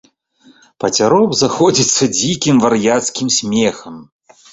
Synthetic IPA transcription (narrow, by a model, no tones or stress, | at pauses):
pɐt͡sʲaɾɔbzaxɔd͡zʲit̪sːɐd͡zʲikʲimvɐɾjat̪skʲimsʲmʲɛxɐm